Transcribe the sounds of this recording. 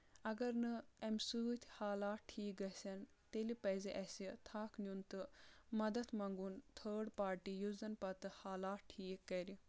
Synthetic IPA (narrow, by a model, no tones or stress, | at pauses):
ɐɡɐɾnɨemsuːt̪ʲʰhaːlaːʈʰːiːk̚ɡɐsʲɐn | t̪elipɐjzeʔɐsit̪ʰaːknʲjunt̪ɨmɐd̪ɐt̪mɐŋɡunt̪ʰəːɖpaːɾʈijuzɐnpɐt̪ɨhaːlaːt̪̚ʈʰiːkːɐɾi